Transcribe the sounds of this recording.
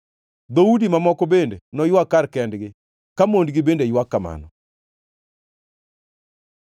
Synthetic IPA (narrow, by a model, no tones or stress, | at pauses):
d̪oudimamɔkobendenɔjwakaɾkɛndɡɪ | kamondɡibendejwakːama̰nɔ